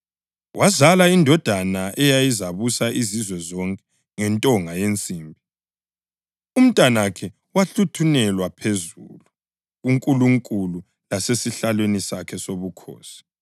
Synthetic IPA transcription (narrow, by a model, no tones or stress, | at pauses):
wʔazalaindʱɔd̥ʱanaʔɛjajizaβusaʔizizwɛzɔŋkʼɛ | ŋɛntʼɔŋʱajent͡sʼiːmbʱi | um̩tʼanaakʰɛ | waɬutʰunɛlwapʰezṵlu | ɣuŋkʼuluŋkʼulu | lasesiɬalwenisakʰɛsoβukʰo̰ːsi̥